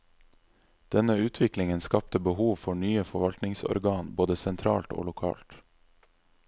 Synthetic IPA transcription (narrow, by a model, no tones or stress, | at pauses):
d̪̥ɛnəʉːt̪ʰʋɪklɪŋənskɑp̚t̪əbəhuːʋfɔɳyːəfɔʋɑlt̪nɪŋsɔ̰ɾɡɑːnboːd̪əsɛnt̪ʰɾɑ̰ːlt̪o̰ːlʊkʰɑ̰ːlt̪